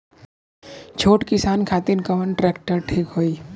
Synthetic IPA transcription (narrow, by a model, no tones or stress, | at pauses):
t͡ʃʰoːʈkɪsaːnkʰaːt̪inkɐʋənʈɾɛːk̚ʈəɾʈʰiːkɦoːi